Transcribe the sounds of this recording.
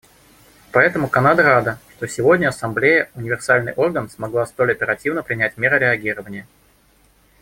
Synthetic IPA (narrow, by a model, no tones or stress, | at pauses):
pɐɛt̪əmʊkɐnad̪əɾad̪əʂt̪o̞sʲɪvo̞dʲnʲəɐsɐmblʲejəʊnʲɪvʲɪrsalʲnɨ̰jʔo̞rɡənsmɐɡlˠast̪o̞lʲɐpʲɪɾɐtʲivnəpɾʲɪnʲætʲmʲeɾəɾʲɪɐɡʲiɾəvənʲɪjə